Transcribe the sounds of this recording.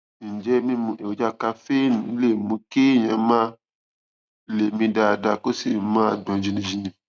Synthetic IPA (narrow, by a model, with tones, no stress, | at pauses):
n˨d͡ʒɛ˦mĩ˦mũ˧ʔe˨wo˨d͡ʒa˦˨ka˧fe˦nũ˨˦le˦˨mũ˨˧˦ki˦˨j̃ã˧˦mã˦ | le˨mĩ˧da˧˨da˧ko˦si˦˨mãː˦˨dɔ̃˨˦d͡ʒĩ˧nĩ˧d͡ʒi˧˦nĩ˧˦